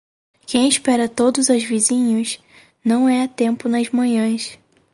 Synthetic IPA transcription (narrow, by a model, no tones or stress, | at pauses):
kẽj̃ɪʃpɛɾɐt̪od̪ʊzɐzvizĩɲʊs | nɐ̃w̃ɛɐt̪ẽmpʊnɐzmɐ̃ɲɐ̃s